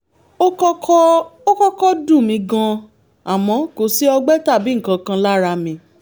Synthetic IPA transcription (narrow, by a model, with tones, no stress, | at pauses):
o˦kɔ˦kʰɔ˦o˦kɔ˦kɔ˦dũ˦˨mĩ˧˦ɡã˧ | a˨mɔ̃˨˧˦ko˨˦si˦ɔ˧ɡ͡bɛ˦ta˦˨bi˨˦ŋ̩˨kã˧kã˧la˦ɾa˧mĩ˧